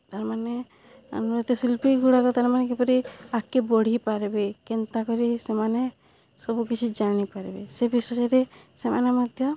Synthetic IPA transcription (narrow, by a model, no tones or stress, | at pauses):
t̪aɾmane | ɔ̰nuɾɔt̪ɔsilpiɡuɽakɔt̪aɾmanekepɔɾiakːebɔɽ̤ipaɾbekint̪akɔɾisemane | sɔbukit͡ʃʰid͡ʒañipaɾebesebisɔɔɾesema̰namɔd̪ʱjɔ